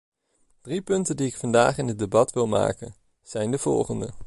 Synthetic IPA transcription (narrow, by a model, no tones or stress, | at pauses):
d̥ripɵntəndiɪkfɑndaːχɪnɦəd̚debɑtʋɪlˠma̰ːkə̰n | z̥ɛjndəv̥ɔ̰lˠχəndə